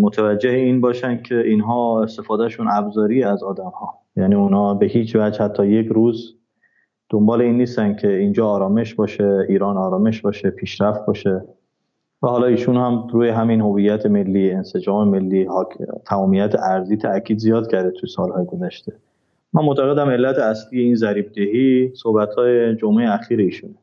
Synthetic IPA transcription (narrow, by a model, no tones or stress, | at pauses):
mot̪ʰævæd͡ʒːeheiːnbɒːʃænd̪̚cʰe̞iːnɦɒːe̞st̪e̞fɒːd̪æʃunʔæbzɒːɾijeæzɒːd̪æmhɒː | jæːniːunhɒːbe̞hiːt͡ʃʰvæd͡ʒhæt̪ʰːɒːje̞kɾuːz | d̪̥ombɒːleiːnːiːst̪ænd̪̥̚cʰe̞iːnd͡ʒɒːɾɒːme̞ʃbɒːʃeiːɾɒːnɒːɾɒːme̞ʃbɒːʃepʰiːʃɾæft̪̚bɒːʃe | væhɒːlɒːiːʃunhæmɾuːjeɦæminɦo̞vijːæt̪ʰe̞me̞lːiːe̞nsed͡ʒɒːme̞me̞lːiːht̪ʰæmɒːmijæt̪ʰeʔæɾziːt̪ʰæcʰiːd̪zijɒːd̪̚cʰæɾd̪et̪ʰujesɒːlhɒːjeɡo̞zæʃt̪e̞ | mænmot̪ʰæɣe̞d̪æme̞lːæt̪ʰeæsliːje̞iːnzæɾiːb̚d̪ehisohbæt̪hɒːjed͡ʒomejeæxiːɾeiːʃune